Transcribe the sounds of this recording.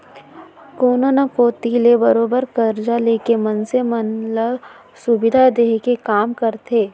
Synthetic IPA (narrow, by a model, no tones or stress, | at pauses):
koːnonakoːt̪ilebɐɾoːbəɾkɐɾd͡ʒaleːkemɐnsemɐnlə | sʊbɪd̪ʱad̪eːɦkekaːmkɐɾt̪ʰeː